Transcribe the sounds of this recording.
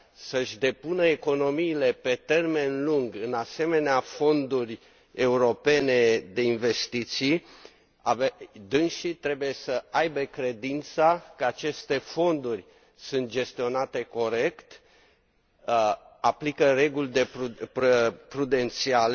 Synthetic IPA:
səʃʲd̪e̞punəeko̞no̞miːle̞pe̞t̪e̞rme̞nluŋɡɨnase̞me̞neafo̞nd̪urʲ | e̞uɾo̞pe̞ne̞d̪e̞inve̞st̪it̪si | aved̪ɨnʃit̪ɾe̞buje̞səajbe̞kɾe̞d̪int̪sakəat͡ʃe̞st̪e̞fo̞nd̪urʲ | sunt̪̚d͡ʒe̞st̪io̞nat̪e̞ko̞ɾe̞kt̪ | aplikəɾe̞ɡulʲd̪e | pɾud̪e̞nt̪siale

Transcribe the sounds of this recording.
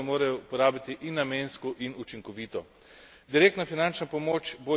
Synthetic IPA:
ɛmoːɾajɔupɔɾaːbit̪iʔinːamenskɔʔinut͡ʃiŋkɔʋiːt̪ɔ | d̪iɾeːkt̪nafinant͡ʃnapɔmoːt͡ʃbo

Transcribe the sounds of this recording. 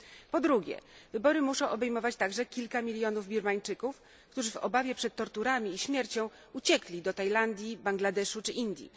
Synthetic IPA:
pɔd̪ɾuɡʲɛ̰vɘbɔɾɘmuʂɔ̃w̃ʔɔbɛjmɔvat͡ɕt̪aɡʐɛkʲilkamʲilʲjɔnuvbʲiɾmaɲt͡ʂɘkuf | kt̪uʐɘvɔ̰bavʲjɛpʂɛt̪ːɔɾt̪uɾamʲiːɕmʲjɛɾt͡ɕɔ̃w̃ | ut͡ɕɛklʲid̪ɔt̪ajland̪ʲjibaŋɡlad̪ɛʂut͡ʂɘʔind̪ʲjḭ

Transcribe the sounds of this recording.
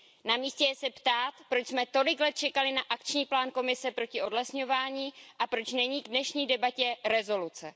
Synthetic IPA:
namiːscɛjɛsɛpt̪aːt̪pɾo̞t͡ʃsmɛt̪o̞lɪklɛt̪̚t͡ʃɛkalɪnaʔakt͡ʃɲiːplaːnko̞mɪsɛpɾo̞cɪʔo̞dlɛsɲo̞vaːɲiːʔapɾo̞t͡ʃnɛɲiːɡdnɛʃɲiːdɛbacɛɾɛzo̞lut͡sɛ

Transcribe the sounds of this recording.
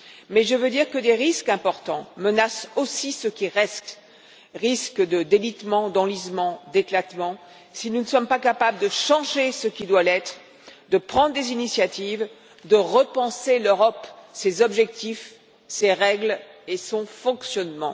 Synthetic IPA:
mɛʒəvød̪iʁkəd̪eʁiskɛ̃pɔʁt̪ɑ̃mənasosisəkʲiʁɛst̪ | ʁiskd̪əd̪elit̪mɑ̃d̪ɑ̃lizmɑ̃d̪eklat̪mɑ̃ | sinunəsɔmpakapabləd̪əʃɑ̃ʒesəkʲid̪walɛt̪χ | d̪əpχɑ̃d̪ʁd̪ezinisjat̪iv | d̪əʁəpɑ̃seløʁɔpsezɔbʒɛk̚t̪if | seʁɛɡlesɔ̃fɔ̃ksjɔnmɑ̰̃

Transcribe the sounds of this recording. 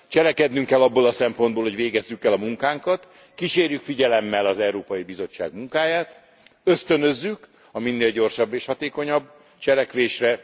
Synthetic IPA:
t͡ʃɛlɛkɛd̪nyŋkɛlːɒbːoːlɒsɛmpo̞nd̪boːlho̞ɟʋeːɡɛzːykːɛlɒmuŋkaːŋkɒt̪ | kiʃeːrjykfiɟɛlɛmːɛlɒzɛwɾoːpɒjibizo̞t͡ʃːa̰ːɡmuŋkaːjaːt̪ | øst̪ø̞nø̞zːyk | ɒminːeːlɟo̞rʃɒbːeːʃhɒt̪eːko̞ɲɒbː | t͡ʃɛlɛkʋeːʃrɛ

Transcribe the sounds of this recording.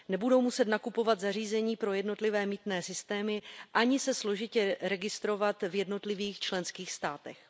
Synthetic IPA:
nɛbudo̞wmusɛt̪nakupo̞vat̪zar̝iːzɛɲiːpɾo̞jɛdno̞t̪lɪvɛːmiːt̪nɛːsɪst̪ɛːmɪʔaɲɪsɛslo̞ʒɪcɛɾɛɡɪst̪ɾo̞vat̪vjɛdno̞t̪lɪviːxt͡ʃlɛnskiːxst̪aːt̪ɛ̰x

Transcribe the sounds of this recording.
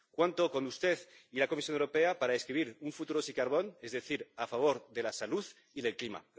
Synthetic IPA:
kwant̪oko̞nust̪eðilakomis̬jo̞newɾope̞apaɾaeskɾiβ̞iɾuɱfut̪uɾosikaɾβo̞nezðeθiɾafaβ̞o̞ɾðe̞lasaluð | iðe̞lklima̰

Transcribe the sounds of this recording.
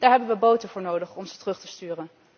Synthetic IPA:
d̥aːɹɦɛbənʋəbowtənvʊːɹnowdəχɔmzətrɵχtəstyːrən

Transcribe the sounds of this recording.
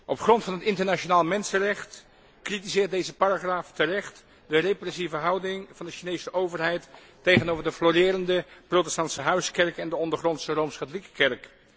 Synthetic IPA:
ʔɔpχrɔntfɑnɦətɪntəɹnat͡ʃonaːlˠmɛnsənrɛχt | kritizɪːɹt̚dejzəparaχraːftərɛχt | dəreprɛsivəɦɑwdɪŋvɑndəʃinejsəʔowvəɹɦɛjtː | ejχənowvəɹdəflorɪːɾəndəprowtɛstɑntsəɦœɥskɛɹkɛndəɔndəɹχrɔntsərowmskatolikəkɛɹk

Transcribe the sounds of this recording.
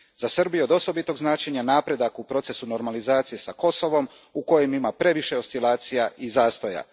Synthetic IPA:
zasrbijeod̪o̞so̞bit̪o̞ɡznaːt͡ʃe̞ɲanaːpɾe̞d̪akupɾo̞t̪se̞suno̞ɾmalizaːt̪sije̞sako̞so̞ʋo̞m | uko̞jemimapɾe̞ʋiʃe̞o̞st̪ilˠaːt̪sijaʔizaːst̪oja̰

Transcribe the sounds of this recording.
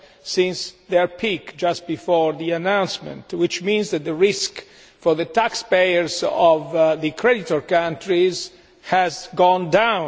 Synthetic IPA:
sĩnsðɛɹpʰikd͡ʒast̪̚bifɔɹðianãw̃nsmɛ̰̃nt̪wɪt͡ʃmĩnzd̪æt̪̚ðəɹisk | fɔɾðət̪akspejəɹzɔvðəkʰɹɛdit̪ɔɹkãntɹiz | hɛzɡɔ̃ndãw

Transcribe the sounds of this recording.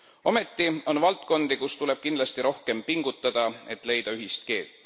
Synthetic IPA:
o̞me̞t̪ːˑio̞nvɑlt̪ˑko̞nd̪ikust̪ule̞b̥̚kind̪lɑst̪iɾo̞hke̞mpiŋɡ̥ut̪ːˑɑd̪̥ɑe̞t̪ːˑle̞jd̪̥ɑyɦist̪̚ke̞ːlt̪ːˑ

